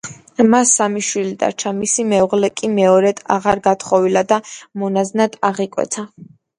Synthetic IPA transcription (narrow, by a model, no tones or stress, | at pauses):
masːamiʃwilid̪a̰ɾt͡ʃʰamisimɛuʁlɛkʼimɛɔɾɛd̪ʰaʁaɾɡat̪ʰχɔvilad̪amɔnaznad̪ʰaʁikʼwɛ̰t̪sʰa